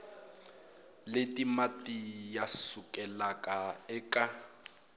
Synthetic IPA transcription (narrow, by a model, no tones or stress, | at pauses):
letʼimatʼijasʊkʼɛlakʼaɛkʼa